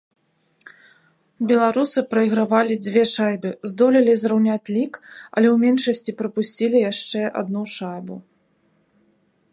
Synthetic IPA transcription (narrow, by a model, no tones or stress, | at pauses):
bʲɛlˠaɾusɨpɾɐiɣɾavalʲid͡zʲvʲɛʂajbɨzd̪ɔlʲilʲizrawnʲat͡sʲlʲikɐ̰lʲɛwmʲɛnʂɐsʲt͡sʲipɾɐpusʲt͡sʲilʲijaʂt͡ʂɛʔa̰d̪̚nuʂajbu